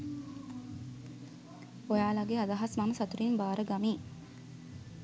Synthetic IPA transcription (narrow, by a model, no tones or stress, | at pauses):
ojaːlaɡead̪aɦɐsmɐməsɐt̪uɾimbaːɾəɡamiː